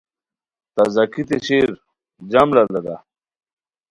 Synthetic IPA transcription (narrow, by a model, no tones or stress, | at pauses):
t̪ɐzɐkit̪eɕeːɾ | d͡ʑɐmlɐlɐd̪a